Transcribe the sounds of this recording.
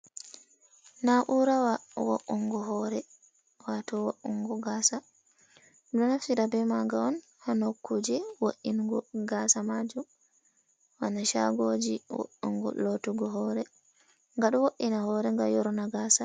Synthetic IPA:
naʔuɾawawo̰ʔːuŋɡɔɦɔɾɛ | watɔwoʔuŋɡɔɡaːsa | dɔnafiɾabɛmaɡaɔn | hanokʰːud͡ʒɛwoʔinɡɔɡasamad͡ʒu | wanaʃa̰ɡod͡ʒiwo̰ʔːṵŋɡɔ̰lotuɡɔɦɔːɾɛ | ŋɡaɗuwoʔːinahɔɾɛŋɡa̰jɔɾɔnaɡaːsa

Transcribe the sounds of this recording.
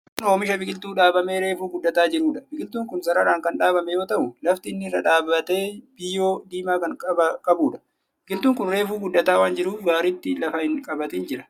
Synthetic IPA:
no̞ːmɪʃɐbɪɡɪlt̪uːᶑaːbɐmeːɾe̞ːfuːɡʊd̪ːɐt̪aːd͡ʒɪɾuːᶑɐ̥bɪɡɪlt̪uːŋkʊnsɐɾɐɾaːŋkɐnᶑaːbɐmɛjo̞ːt̪ɐʔʊlɐft̪ɪnːɪɪrːɐᶑaːbɐt̪e̞ːb̥ɪjːoːd̪iːmaːkɐŋkʼɐɐkʼɐbuːᶑɐ̥ | bɪɡɪlt̪uːŋkʊnɾe̞ːfuːɡʊd̪ːɐt̪aːwaːnd͡ʒɪɾuːfɡaːɾit̪ːɪlɐfɐhɪŋkʼɐbɐt̪ɪːnd͡ʒɪɾɐ

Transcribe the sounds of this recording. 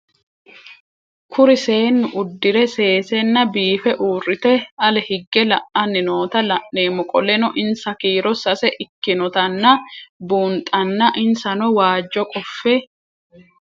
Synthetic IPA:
kʰʊɾɪse̞ːnːʊʔʊd̪ːɪɾɛse̞ːsɛnːɐbiːfɛʔuːrːɪt̪ɛɐlɛhɪɡːɛlɐʔɐnːɪnoːt̪ɐlɐʔneːmɔkʼɔlɛnɔʔɪnsɐkiːɾɔsɐsɛʔɪkːɪnɔt̪ɐnːɐbuːnt̪ʼːɐnːɐʔɪnsɐnɔwaːd͡ʒːɔkʼɔfːɛ

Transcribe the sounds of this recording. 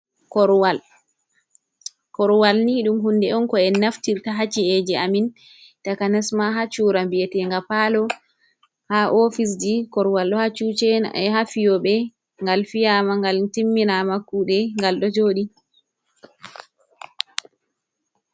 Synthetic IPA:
kɔɾwal | kɔɾwalniːɗumɦundɛɔnkɔɛnaftiɾtaɦat͡ʃiɛd͡ʒɛamin | takanɛsmaɦat͡ʃuːɾambiɛtɛŋɡapalɔ | haʔofis̬d͡ʒikɔɾwalɗɔhat͡ʃut͡ʃɛhafijɔɓɛ | ŋɡalfijamaŋɡaltimːinamakuːɗɛŋɡalɗɔd͡ʒoɗi

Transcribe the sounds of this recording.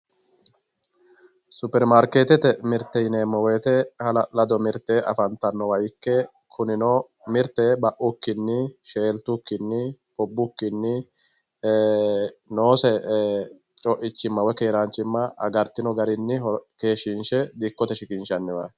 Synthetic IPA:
sʊpɛɾmaɾkeːt̪ɛt̪ɛmɪɾt̪ːɛjɪneːmːɐweːt̪ɛhɐlɐlɐd̪ɔmɪɾt̪ːeʔɐ̰fɐnt̪ːɐnːɔwɐjkːɛ | kʰʊnɪnɔ | mɪɾt̪ːɛbɐʔʊkːɪnːɪʃeːlt̪ʊkːɪnːɪ | hɔbːʊkːɪnːɪ | noːsɛ | t͡ʃʼɔʔɪt͡ʃːɪmːɐwɔke̞ːɾant͡ʃːɪmːɐɐ̰ɡɐɾt̪ːɪnɔɡɐɾɪnːɪke̞ːʃɪnʃɛd̪ɪkːɔt̪ɛʃɪkʼɪnʃɐnːɪwɐj

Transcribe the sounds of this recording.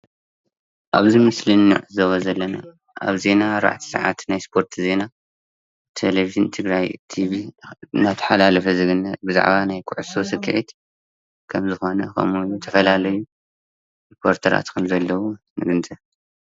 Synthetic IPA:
ʔa̰βzimɨslɨnːṵʕɨzɐβɐzɐlːɐna̰ | ʔa̰βze̞naːɾba̰ʕt̪ʰi̥sɨ̰ʕa̰t̪najspʰo̞ɾt̪ʰze̞na | t̪ʰeleviʒɨnt̪ʰɨɡɾajt̪ʰiviɨnat̪ʰɐ̥ħalalɐfɐzɨɡɨnːɐbɨza̰ʕβanajkʰʊʕusosɨkʰːɨ̰ʕit̪ | kʰɐmzɨxo̞nɐkʰɐ̰mujut̪ʰɐfɐlalɐju | ɾipʰo̞ɾt̪ʰɐɾa̰t̪xɨlzɐlːɐwu | nɨɡɨnt̪ʼɨ

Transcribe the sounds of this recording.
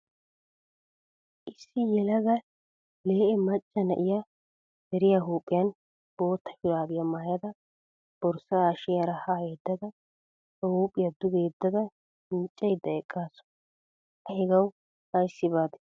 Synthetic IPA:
ʔɪsːɪjɛlɐɡɐ | le̞ːʔɛmɐt͡ʃʼːɐnɐ̰ʔɪja | hɛɾɪjaɦuːpʼːɪjɐn | b̥o̞ːt̪ːɐ̥ʃʊɾaːbɪjamaːjɐd̪ɐ | b̥ɔɾsaːʃɪjɐɾɐhaːjeːd̪ːɐd̪ɐ | hɐhuːpʼːɪjɐd̪ʊɡeːd̪ːɐd̪ɐ | ɪnt͡ʃʼːɛjd̪ːɐɛkʼːaːsɔ̥ | ɐhɛɡɐw | hɐjsːɪbaːd̪ɛ̥

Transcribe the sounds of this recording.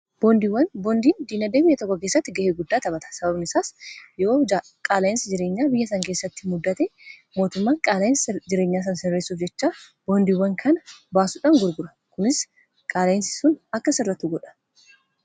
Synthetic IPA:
b̥oːnd̪iwːɐnbɔnd̪iːnd̪iːnɐd̪eːbɪjːɐt̪ɔkːɔkeːsːɐt̪ːɪɡɐheːɡʊd̪ːaːt̪ɐbɐt̪ɐ̥sɐbɐbnɪsaːsjoː | kʼaːlɐjɪnsɪd͡ʒɪɾe̞ːɲːaːbɪjːɐsɐŋkeːsːɐt̪ːɪ̥mʊd̪ːɐt̪ɛmo̞ːt̪ʊmːaːŋkʼaːlɐjɪnsd͡ʒɪɾe̞ːɲːaːs̬ɐnsɛrːeːsuːfd͡ʒɛt͡ʃːaːb̥oːnd̪iːwːɐŋkʰɐnɐbaːsuᶑaːŋɡʊɾɡʊɾɐ̥ | kʊnɪs | kʼaːlɐɪnsɪ̥sʊnɐkːɐsɪrːɐt̪ːuːɡɔᶑɐ̥

